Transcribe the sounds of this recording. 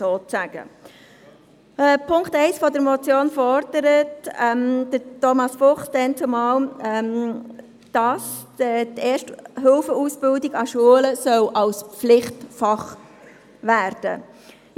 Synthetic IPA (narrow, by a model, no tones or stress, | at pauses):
soːt͡sæɡ̥ə̰ | pʰʊŋktɛɪsfɔdəɾmɔt͡sjoːnfɔɾd̥əɾətɛmd̥ətɔmɑsfʊχsd̥ɛnt͡sumɑːlɛm | d̥ɑsɛteːʃtɦʏlfəuːsb̥ɪldɪɡɑʃuələsœwʔɑlsflɪχtfɑχ | ʋæːɾd̥ə̰